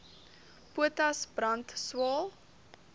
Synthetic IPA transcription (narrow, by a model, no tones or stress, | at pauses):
puətɐsbrɐntswɑːlˠ